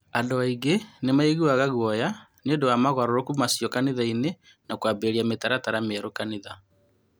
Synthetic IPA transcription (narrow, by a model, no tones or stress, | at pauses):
andoaiɡenemaeɣuwaɣaɣwɔja | nondowamaɣwaɾoɾokumasjɔkaneðaine | nakwabeɾiametaɾataɾamɛɾokaneða